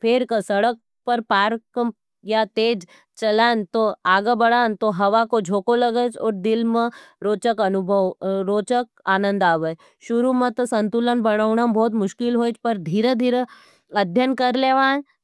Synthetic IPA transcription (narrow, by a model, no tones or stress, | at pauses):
pʰeɾkəsɐɽək̚ | pɐɾpaːɾkəm | jat̪eːd͡ʒ | t͡ʃɐlaːnt̪oaːɡəbɐɽaːnt̪oɦɐʋakod͡ʒʱoːkolɐɡət͡ʃɔːɾd̪ɪlmẽɾoːt͡ʃəkɐnʊbʱəʋɾoːt͡ʃək̚ | aːnə̃nd̪aːʋə | ʃʊɾumə̃t̪osɐ̃nt̪ulənbɐɽəːɳabɔːt̪̬mʊʃkɪlɦoːt͡ʃpɐɾd̪ʱiːɾəd̪ʱiːɾə | ɐd̪ʱjənkɐɾleːʋaːn